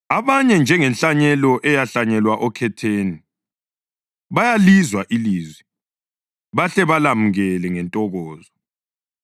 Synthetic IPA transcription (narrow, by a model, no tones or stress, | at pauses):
aβaɲɛnd͡ʒʱɛŋɛnɬʼaɲɛlɔʔɛjaɬaɲɛlwaʔɔkʰɛtʰeːni | βajalizwaʔiliːzwi | βaɬɛβalamuɣɛlɛŋɛntʼɔɣɔːzɔ